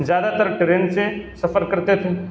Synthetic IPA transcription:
zjaːd̪at̪əɾʈɾeːnsesɐfəɾkɐɾt̪et̪ʰeː

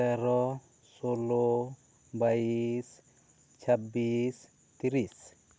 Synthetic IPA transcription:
ɛɾɔ | solɔ | bɐjis | t͡ʃʰɐbːiːs | t̪iɾis

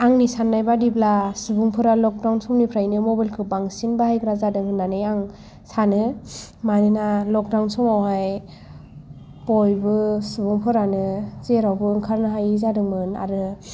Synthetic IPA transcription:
aŋnisanːajbadiblasɯbuŋpʰɯɾalɔk̚dawnsɔmnipʰɾajnɯmɔbajlkʰɯbaŋsinbahajkʰɾazadɯŋɯnːanɯjaŋ | sanɯmanɯnalɔk̚dawnsɔmawhaj | pɔjbɯsubuŋpʰɯɾanɯzeɾawbɯɯŋkʰaɾnɯɦajizadɯŋmɯna̰ɾɯ

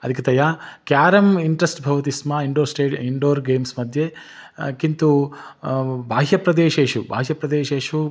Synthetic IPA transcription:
ɐd̪ʱikɐt̪ɐjaːkjaːɾɐmiɳʈɾɐsʈbʱɐʋɐt̪ismaiɳɖoːɾsʈeːɖiɳɖoːɾɡeːmsmɐd̪ʱje | kint̪u | bʱaːɦjɐpɾɐd̪eːʃeːʃuba̰ːɦjɐpɾɐd̪eːʃeːʂu

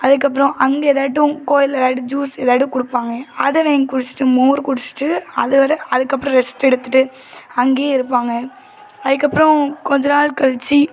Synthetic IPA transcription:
ɐðɯk̬ːɐp̬ːɯɾɔ̃ʔɐŋɡeːðaːʈ̬ːʊ̃koːjɪlɛðaːɽɯd͡ʒuːsɛðaːɽɯkʊɽɯpːaːŋɡɐɐðɐʋeːŋɡɐkʊɽɪt͡ʃːɪ̥ʈːɯmoːɾkʊɽɪt͡ʃːɯ̥ʈːɯɐðɯʋɐɾɐɐðɯkːɐpːɯɾɔ̃ɾɛsʈɛɽɯt̪ːɯʈːɯ | ɐŋɡeːɪɾɯpːaːŋɡɐ | ɐðɯkːɐpːɯɾɔ̃kɔɲd͡ʒɐnaːɭkɐɭt͡ʃːi

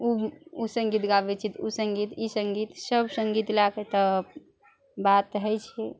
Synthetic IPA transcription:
uusə̃ŋɡit̪ɡabet͡ʃʰit̪ʰusəŋɡit̪isəŋɡit̪səbsəŋɡit̪laket̪ə | bat̪ɦəjt͡ʃʰɛ

